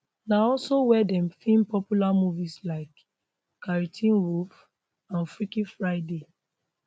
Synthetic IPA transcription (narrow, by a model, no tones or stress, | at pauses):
naɔlsowɛdɛ̃mfĩnpɔpjulamuvislaɪk | kːaɹitʰĩnɹuf | ãnfɹikifɹaɪde